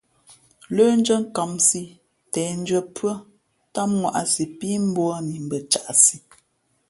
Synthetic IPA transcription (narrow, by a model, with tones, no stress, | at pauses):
lə˦n˦d͡ʒə˦ŋ̩˦ka˨msi˦ | tɛː˨n̩˦d͡ʒɥə˨pwə˦ | ta˦mŋwa̰˨ʔa˨si˨pi˦m̩˦bwɔ˦ni˨m̩˨bə˨t͡ʃa˨ʔsi˨